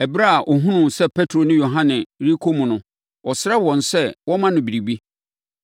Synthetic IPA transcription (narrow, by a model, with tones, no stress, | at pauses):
ɛ˨bɾa˦a˨ʔɔ˨ɦũ˦nʊ̃˨sɛ˦pʰɛ˦tʰɾo˨nɪ̃˦jo˨ɦã˦nɪ̃˨ɾi˦kʰo˦mũ˨nʊ̃˨ | ɔ˨sɪ˦ɾa˦wɔ̃˨nsɛ˦˨wɔ̃˦mã˦nʊ̃˨bi˨ɾi˨bi˦